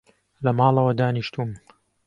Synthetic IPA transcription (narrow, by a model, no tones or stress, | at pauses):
lɐmɑːlˠɐwɐd̪aːniʃt̪uːm